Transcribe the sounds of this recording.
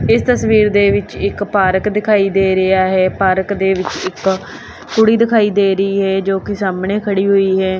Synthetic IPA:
ɪst̪əsʋiːɾd̪eːʋɪt͡ʃɪkpaːɾəkd̪ɪkʰaːiːd̪eːɾɪaːɦɛːpaːɾəkd̪eːʋɪt͡ʃɪk | kʊɽiːd̪ɪkʰaːiːd̪eːɾəiːɦɛːd͡ʒoːkɪsaːmneːkʰəɽiːɦoːiːɦɛː

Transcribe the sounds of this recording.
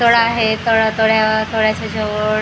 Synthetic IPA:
t̪oɽaːɦet̪oɽat̪oɭjat̪oɭjat͡ɕad͡ʑəʋə

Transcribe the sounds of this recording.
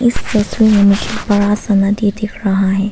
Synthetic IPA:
ɪsːeswiɦɐmikʰibɐɽasɐmɐd̪id̪ɪkʰɾɐɦaɦɛ̃ː

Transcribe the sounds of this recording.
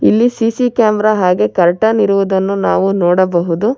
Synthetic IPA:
ilːisiːsikaːmɾaɦaːɡe̞kɐɾʈɐniɾuʋud̪ɐnːunaːʋunoːɽɐbɐɦud̪u

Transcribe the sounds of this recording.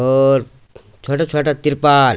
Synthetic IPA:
oɾ | t͡ʃʰoːʈat͡ʃʰoːʈat̪iɾpaːɾ

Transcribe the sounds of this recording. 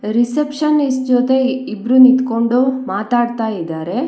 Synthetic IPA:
ɾisepʃɐnisd͡ʒot̪e̞ibɾunit̪ko̞ɳɖumaːt̪aːɖt̪aːjid̪aːɾe̞

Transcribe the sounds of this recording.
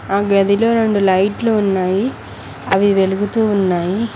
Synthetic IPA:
aːɡɐd̪ʱiloːɾeɳɖulɐjʈluːnːaːji | ɐʋiʋe̞luɡut̪uːnːaːji

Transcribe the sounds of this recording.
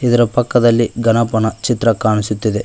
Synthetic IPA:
id̪ɐɾɐpɐkːɐd̪ɐlːiɡɐnɐpɐnɐt͡ʃit̪ɾɐkaːɳisut̪ːid̪e

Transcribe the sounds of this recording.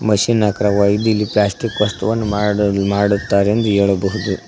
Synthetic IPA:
mɐʃinːaːkɾɐʋaːjid̪uilːiplaːsʈikʋɐst̪ɐʋɐnːumaːɽut̪ːaːɾeend̪ueːɭɐbɐɦud̪u

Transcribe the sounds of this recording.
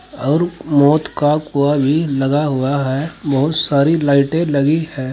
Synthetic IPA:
ɔːɾmɔːt̪kakuabʱilɐɡaɦʊaɦɛːbɐɦʊt̪saːɾilaːɪʈẽlɐɡihɛ̃ː

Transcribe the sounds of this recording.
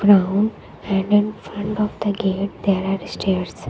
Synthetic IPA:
ɡɾãwnɖ | ɛ̃ɳɖɪ̃nfɾə̃ɳʈɔfd̪əɡeʈ̚d̪eɾaɾsʈeɾs

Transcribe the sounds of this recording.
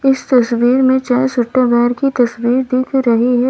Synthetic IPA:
ɪst̪ɐsʋiːɾmẽt͡ʃɛːsʊʈːəbɛːɾkit̪ɐswiːɾd̪ɪːkʰɾɐɦiɦɛ

